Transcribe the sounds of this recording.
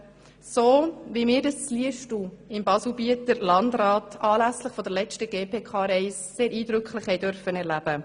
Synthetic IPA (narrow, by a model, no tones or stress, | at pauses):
soːvimɪːɾdɑst͡sliəʃtuɪmbɑslbiətəɾlɑndɾɑːtɑːlæslɪχfɔdəɾlɛt͡ʃtəɡ̥eːpʰeːkʰɑːɾɛɪsseːɾiːdɾʏkχlɪχhɛɪdœɾfənɛɾlæb̥ə